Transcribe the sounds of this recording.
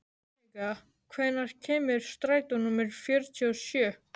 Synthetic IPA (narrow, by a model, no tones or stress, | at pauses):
ika | kʰvɛːnaɾ̥cʰɛːmɪɾ̥st̪ɾaːjt̪ɔnʊmɪɾ̥fjœɾt̪ʰiɔsjœː